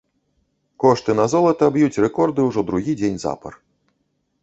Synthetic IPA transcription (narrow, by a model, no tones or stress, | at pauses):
kɔʂt̪ɨnɐzɔlˠɐt̪ɐbjut͡sʲrɛkɔrd̪ɨwʐɔd̪ɾuɣʲid͡zʲenʲza̰pɐ̰r